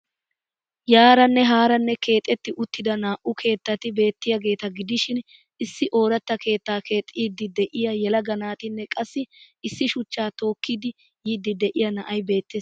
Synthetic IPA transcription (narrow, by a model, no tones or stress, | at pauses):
jaːɾɐnːɛɦaːɾɐnːɛke̞ːt̪ʼːɛt̪ːɪʔʊt̪ːɪd̪ɐnaːʔʊkʰe̞ːt̪ːɐt̪ɪbe̞ːt̪ːɪjɐɡe̞ːt̪ɐɡɪd̪ɪʃɪn | ɪsːɪʔo̞ːɾɐt̪ːɐke̞ːt̪ːaːke̞ːt̪ʼːiːd̪ːɪd̪ɛʔɪjɐjɛlɐɡɐnaːt̪ɪnːɛkʼɐsːɪ | ɪsːɪʃʊt͡ʃːaːt̪o̞ːkːiːd̪ɪ | jiːd̪ːɪd̪ɛʔɪjɐnɐʔɐjbe̞ːt̪ːes